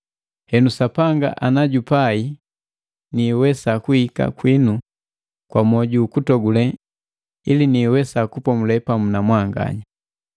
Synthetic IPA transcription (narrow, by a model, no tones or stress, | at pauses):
hɛnusapaŋɡa̰ʔanaɟupai | niwɛsakuhika̰kwinu | kwamɔɟuːkutɔɡulɛ | iliniwɛsakupɔmulɛpamunamwaŋɡa̰ɲa